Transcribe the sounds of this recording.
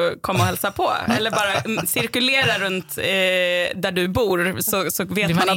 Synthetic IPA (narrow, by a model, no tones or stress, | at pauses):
kʰɔmːaɔhɛlsapʰɔ̰ɛ̰lːəɾbɑːɾasɪɾkɵleːɾaɾɵnt̪ | d̪æɖɵbuːɾsɔsɔveːt̪man